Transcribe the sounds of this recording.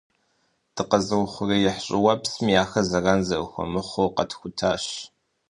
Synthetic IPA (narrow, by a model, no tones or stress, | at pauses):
d̥ɨqɐzɨwʊχʷʊrijɪħɕʼɪwɐpsmijaːxɐzɐraːnzɐwxʷɔ̰mɨχʷowqɐtʰxʷʊtʰaːɕ